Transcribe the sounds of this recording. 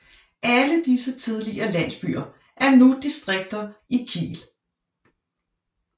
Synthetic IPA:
ʔæləd̥isət͡sʰið̞ˠliʔɐːlæn̰sb̥y̰ːɐ | ʔæɐnud̥isd̥ʁeɡ̥̚d̥ɐikʰḭːl

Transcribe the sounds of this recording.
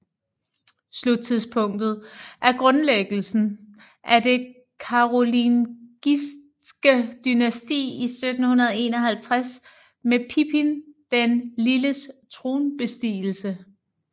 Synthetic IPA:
slud̥̚t͡sʰiðˠspʰɔ̽ŋ̰d̥ð̞̩ˠʔæɐɡ̥ʁɔ̽nleɡ̥l̩sn̩ | ʔæɐd̥e̝ | kʰɑ̈ʁolinɡ̥is | ɡ̥əd̥ynæsd̥ḭːisød̥n̩hunɐð̞ˠe̝nɒɦælt͡sʰʁas | mepʰipʰind̥enliləst͡sʰʁo̝ːnb̥e̝sd̥ḭːl̩sə

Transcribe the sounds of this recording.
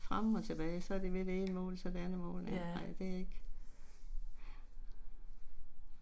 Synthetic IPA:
fʁamɒ̽t͡sʰe̝b̥ɛːɪsɒ̽æɐd̥e̝ʋe̝d̥ee̝nmɔ̰ːlsɒ̽d̥eænəmɔ̰̽ːln̩enɑ̈ɪ̰d̥e̝æe̝ɡ̥ | æ

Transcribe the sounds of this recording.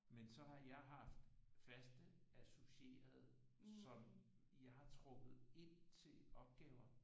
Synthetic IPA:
mensɒ̽ɦɑ̈jɑ̈ɪɦɑ̈fd̥fæsd̥əæsoɕie̝̰ːɐð̞̩ˠ | sɒ̽m | jɑ̈ɪhɑ̈t͡sʰʁɔ̽ɡ̥ð̩ˠe̝n̰t͡sʰe̝lɒ̽b̥ɡ̥ɛːʊɐ

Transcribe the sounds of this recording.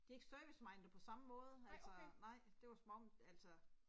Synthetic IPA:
d̥ie̝ɡ̥ə̥sd̥øɡ̥əsmɑ̈ɪnd̥əpʰɒ̽sɑ̈məmɔ̽ːð̞ˠəælssɒnɑ̈ɪ̰d̥e̝ʋɑ̈smɒmælsɒ

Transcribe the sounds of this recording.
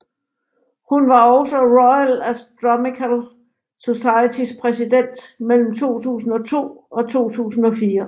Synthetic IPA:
hunʋɑ̈ɒʊsəʁɒɪælæsd̥ɒmikʰæl | so̝sɑ̈ɪət͡sʰispʰʁɛsid̥en̰d̥mel̰m̩t͡sʰo̝̰ːt͡sʰṵːsn̩ɒ̽t͡sʰo̝̰ːɒ̽t͡sʰo̝̰ːt͡sʰṵːsn̩ɒ̽fiːɐ

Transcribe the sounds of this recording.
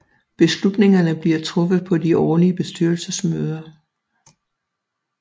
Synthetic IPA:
b̥e̝slud̥ne̝ŋɐnəb̥liɐt͡sʰʁɔ̽fð̞̩ˠpʰɒ̽diʔɒːliəb̥e̝sd̥yɐlsəsmøːð̞ˠɐ

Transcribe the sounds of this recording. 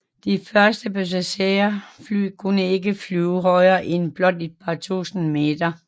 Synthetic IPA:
d̥ifɶɐsd̥əb̥øs̬æɕeɐfly̰ːkʰunəe̝ɡəflyːʊɦɒɪɐːʔenb̥lɒ̽d̥ed̥̚pʰɑ̈t͡sʰṵːsn̩me̝̰ːd̥ɐ

